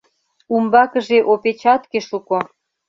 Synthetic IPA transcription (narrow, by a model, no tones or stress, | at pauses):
umbɑkə̆ʒeʔopet͡ɕɑt̪keʃuko